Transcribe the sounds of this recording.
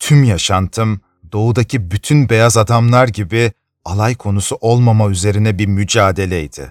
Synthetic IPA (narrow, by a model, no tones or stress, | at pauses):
t̪ʰymjaʃant̪ʰɯm | d̪̥o̞ud̪acʰibyt̪ʰynbe̞jazad̪amlˠaɾɟibɪ | alˠajkʰo̞nusuʔo̞lˠmamayze̞ɾinɛbiɾmyd͡ʒaːd̪e̞lʲɛid̪̥ɪ̰